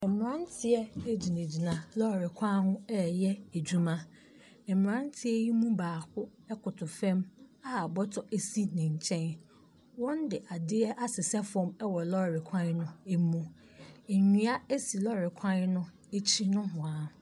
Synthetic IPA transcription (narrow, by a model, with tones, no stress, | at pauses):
ɛ̃˨m˨ã˦n˦tʰɪ˦ɛ˦e˦d͡ʑi˨nẽ˨d͡ʑi˨nã˨lɔ˦˨ɾɪ˨kʷʰã˦hʊ̃˦ɛ˦jɛ˦æ˨d͡ʑu˦mã˦ | ɛ̃˨m˨ɾã˦n˦tʰɪ˦ɛ˦ji˦mũ˦baː˨kʊ˦ɛ˦kʊ˨tʰʊ˨fɛ̃˦ma˦a˨bɔ˦tʰɔ˨ʔe˦si˦nɪ̃˨ɲ˨t͡ɕʰɛ̃˦n | wɔ̃˦n˦dɪ˨ʔa˨dɪ˦ɛ˦ʔa˦sɪ˨sɛ˦fɔ̃˦mɛ˦wɔ˨lɔ˦˨ɾɪ˨kʷʰã˦n˦nʊ̃˦e˦mũ˦ | e˨ɲĩ˦a˦e˦si˨lɔ˦˨ɾɪ˨kʷʰã˦n˦nʊ̃˦ | e˦t͡ɕʰi˦nʊ̃˦ɦʊ̃˨a˨